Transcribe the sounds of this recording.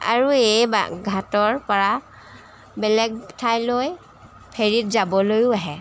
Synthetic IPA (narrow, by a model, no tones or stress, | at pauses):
a̰ɹuejba̰ɡʱatɔɹpɔɹa | bɛlɛɡ̚tʰajloj | pʰeɹitzabɔlojʊaɦɛ